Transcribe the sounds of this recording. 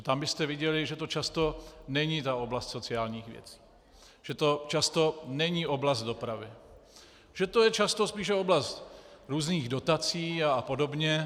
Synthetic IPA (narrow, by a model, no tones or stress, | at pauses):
t̪ambɪst̪ɛvɪɟɛlɪʒɛt̪o̞t͡ʃast̪o̞nɛɲit̪ao̞blast̪so̞t͡sɪaːlɲiːxvjɛ̰t͡si̥ː | ʒ̥ɛt̪o̞t͡ʃast̪o̞nɛɲiːʔo̞blast̪do̞pɾavɪ | ʒ̥ɛt̪ojɛt͡ʃast̪o̞spiːʃ̬ɛo̞blast̪ɾuːzniːɣdo̞t̪at͡siːapo̞dobɲɛ